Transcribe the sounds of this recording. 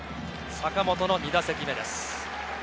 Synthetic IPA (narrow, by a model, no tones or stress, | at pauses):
sakamo̞t̪o̞no̞ɲʲid̪ase̞kʲime̞d̪e̞sɨ̥